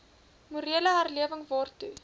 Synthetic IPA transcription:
muɾiələɦæːrliəvəŋvɑːrtu

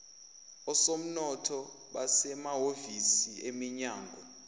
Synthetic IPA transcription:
ɔsom̩nɔtʰɔ | ɓasɛmaɦovisiemiɲaːŋɡʱɔ

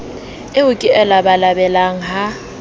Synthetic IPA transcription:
ɪʊkʼɪʔɛlabalabɛlaŋ̩ɦa

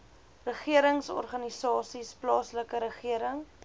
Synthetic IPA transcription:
rəχiəɾəŋsɔ̰rχɐnisɑːsisplɑːsləkəɾəχiəɾəŋ

